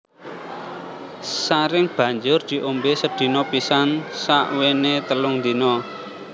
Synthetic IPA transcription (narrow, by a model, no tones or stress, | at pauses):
saɾɪŋb̥ä̤ɲd͡ʒʊrd̪̥i̤ʔombesəd̪̥i̤nɔpisansa̰ʔwenet̪əlʊŋnd̪inɔ